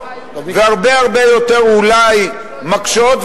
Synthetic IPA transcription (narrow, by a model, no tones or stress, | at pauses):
veaʁbe̞aʁbejo̞t̪eʁulaj | makʃot̪